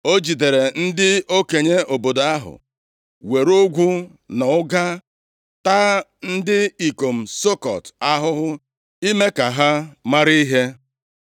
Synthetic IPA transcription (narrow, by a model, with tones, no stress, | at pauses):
o˦d͡ʒi˨de˨ɾe˨n̩˦dɪ˦o˦ke˨ɲe˦o˨bo˨do˨a˦ɦʊ̰˨ | we˨ɾo˦ɡʷu˦ | na˨ʊ˦ɡa˦ | ta˦n̩˦dɪ˦i˨ko˨m̩˨so˦kɔ̰˨ta˦ɦʊ˦ɦʊ˦ | i˦me˦ka˨ɦa˦ma˦ɾi˦ɦe˦